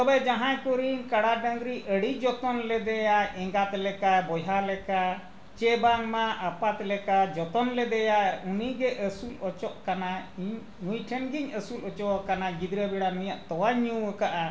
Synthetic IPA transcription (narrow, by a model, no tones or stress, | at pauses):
ɔbɛd͡ʒãɦãjkɔɾinkaɽaɖəŋɡ̪ɾiʔəɽid͡ʒɔt̪ɔnlɛd̪ɛjaʔɛ̃ŋɡat̪lɛkabɔjɦalɛka | t͡ʃɛbaŋmaapat̪lɛkad͡ʒɔt̪ɔnlɛd̪ɛjauniɡɛʔəsulɔt͡ʃɔʔkanaiɲ | nujʈʰɛnɡiɲəsulɔt͡ʃɔwakanaɡid̪ɾəbɛɽanujaʔt̪ɔwaɲuəkaʔa